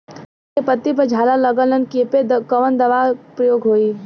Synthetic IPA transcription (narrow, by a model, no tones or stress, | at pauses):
epət̪ːipəd͡ʒʱalaləɡələnkepekəʋənd̪əʋapɾəjoːɡɦoːi